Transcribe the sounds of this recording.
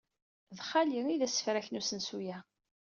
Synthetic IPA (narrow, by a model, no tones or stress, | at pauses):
ðχaliɾiðæsːə̥fɾæçənusənsujæ